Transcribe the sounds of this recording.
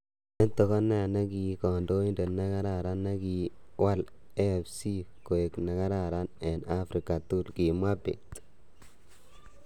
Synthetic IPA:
ɛ˦nt̪ɔ˨ka˦na˦˨na˦ki˨kɔ˨ndo˦i˦nde˨na˦ka˦ɾa˨ɾa˦nːa˦ki˨ | wa˦l | ɛ˦˨fsi˦ko˨e˨kna˨ka˦ɾa˨ɾa˦nɛ˨na˦fɾi˨ka˨t̪u˦lki˨mwa˦bḛ˨t̪

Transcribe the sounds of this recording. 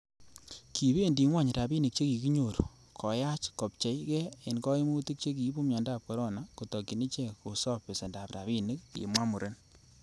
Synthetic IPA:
ki˨βe˦ndi˨ŋwa˦˨ɲɾa˨bi˦nɪ˨k̚t͡ʃe˦ki˨ki˦ɲo˨ɾo˨ | kʰɔ˨ja˦t͡ʃkɔ˨p̚t͡ʃe˨jkɛ˦e˨nkɔ˦e˦mu˦ti˦k̚t͡ʃe˦ki˨˦bu˦mɲɔ˨ndaː˦˨p̚kɔ˨ɾɔ˦na˨ko˨tɔ˨ki˨ni˦t͡ʃe˦ko˨sɔ˦pːe˨se˨nda˨pra̰˨βi˦nɪ˦k̚jḛ˨mwa˦mu˨ɾe˦n

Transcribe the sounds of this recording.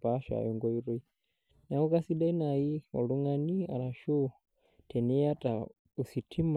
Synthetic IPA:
paʃa̰˨jɔŋɡɔ˦i˦ɾɛ˦i | na˨u˦ka˦si˦ɗa˦i˦na˨i˦ɔ̰˨ɺu˦ŋania̰˨ɾa˨ʃu˦ | tʰɛ˨nɛ˦ja˦tʼa˨ | u˨si˨tʰi˦m

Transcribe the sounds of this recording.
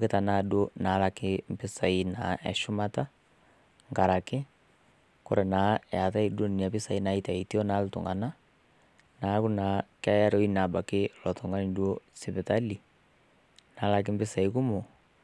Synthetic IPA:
ke˦ta˨na˦dwo˦na˨˦la˨kɪm˨pɪ˦sa˨i˦na˨ɛ̰˨ʃʊ˦ma˦ta˦ | ŋɡa˨ɾa˨kɪ˦ | ko̰˦ɾe˨na˨˦˨a˨ta˦i˦dwo˦nni˨a˨pi˦sa˨i˦na˨˦i˦ta˨i˨ti˦ɔ˦na˨˦lu˦tṵ˨ŋɡa˨na˦ | na˨˦ku˦na˨ka˦ja˦ɾɔ˦i˦na˨ba˨kɪ˦lɔ˨to˨ŋɡa˦ni˨dwo˦si˨βe˨ta˦li˨ | na˨˦la˨k̬ɪ˦mbɪ˦sa˨i˦ku˦mo˨

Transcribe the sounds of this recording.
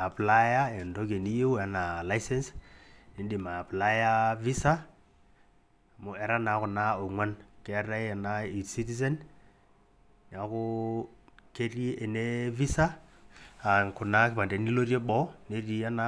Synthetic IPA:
a˨pla˦ja˦ɛ˨ndo˦k̬e˨ni˦ju˦wa˨na˨la˦jsɛ˦nsni˨˦di˨ma˨pla˦ja˦vi˦sa˦˨ | mʊ˦ɛ˨ɾa˦na˨˦kʊ˨na˦o˨ŋwa˦nkɛ˨˦ɾa˦a˨na˦i˨si˦ti˦s̬ɛ˦n | na˨kʊ˦ | ke˦ri˦e˨ne˦vi˦saː˦˨ | nkʊ˨na˦kɪpa˨nde˨ni˦lo˦rje˦bɔ˦ne˦ri˨a˦na˦

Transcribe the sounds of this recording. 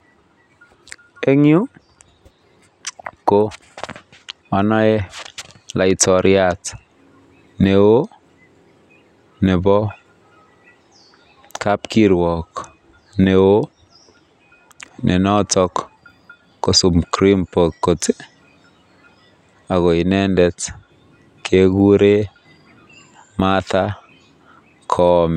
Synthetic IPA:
e˦ŋju˦ | ko | ɔ˨nɔ˦e˦ | la˨i˨tɔɾʔjat | ne˨wo˦ | ne˨bɔ˦ | ka˦pki˦ɾwɔ˨k | ne˨o˦ | nʔe˨nɔ˦tɔ˦kː | o˨su˨mkɾi˦mpo˨kːo˨t | a˨ɣo˨i˨nɛ˦ndɛ˨t | kʰe˦ɡu˦ɾe˦ | ma˦t̪a˦ | kʰɔm

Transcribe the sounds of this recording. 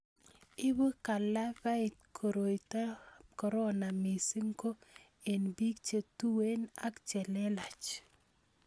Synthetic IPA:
ɪ˦bu˦ka˨la˦ba˦ɪ˨t̚kʰo˨ɾo˨i˨ta˦kɔ˨ɾɔ˦na˨mi˨si˦ŋko˦ | e˨nbi˦kt͡ʃe˨tu˦we˦na˦kt͡ʃɛ˨lɛ˦la˨t͡ʃ

